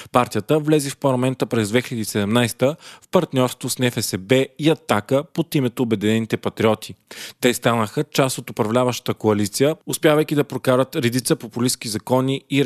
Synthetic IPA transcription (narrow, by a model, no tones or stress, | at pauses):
paɾt̪ijət̪əvlɛzifpɐɾlˠɐmɛnt̪əpɾɛzd̪vɛxilɛd̪iːsɛd̪ɛmnajst̪əfpɐɾt̪nʲɔɾst̪vosnɛfɛsɛbɛiɐt̪akəpot̪imɛt̪oːbɛd̪ɛnɛnit̪ɛpɐt̪ɾiɔt̪ʰit̪ɛst̪anəxət͡ʃast̪ot̪opɾɐvlʲavəʃt̪ə̥t̪əkoɐlit̪sijəʊspʲjavɐjk̟id̪ɐpɾokaɾət̪ɾɛd̪it̪səpopʊlisk̟izɐkɔniː